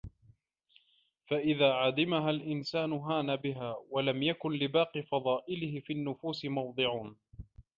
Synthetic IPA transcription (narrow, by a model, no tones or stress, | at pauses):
faʔɪðaːʕad̪ɪmaɦalʔɪnsaːnʊɦaːnabɪɦaːwalamjakʊnlɪbɑːqifɑðˤɑːʔɪlɪhɪfiːnːʊfuːsɪmɑwd̪ˤɨʕuːn